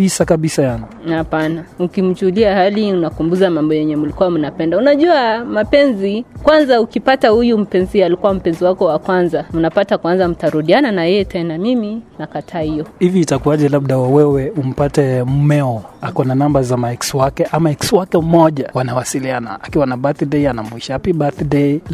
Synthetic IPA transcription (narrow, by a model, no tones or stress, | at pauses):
isakaɓisajanɔapanaukim̩t͡ʃuuliahaliunakumbuzamambɔjɛɲɛmulikuwamunapɛndaunaʄuamapɛnzikwanzaukipatahujum̩pɛnzialikuwam̩pɛnziwakɔwakwanzam̩napatakwanzam̩taɾuɗiananajɛjɛtɛnamiminakatʰaːhijɔhiviːtakuaʄɛlab̚ɗawawɛwɛum̩patɛmumɛɔakɔnanambazamaɛkswakɛʔamaɛkswakɛm̩mɔʄawanawasiliana̰akiwanabaθdeianamwiʃapibaθdei